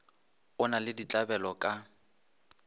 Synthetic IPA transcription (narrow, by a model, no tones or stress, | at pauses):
ʊnalɪdit͡ɬʼabɛlɔkʼa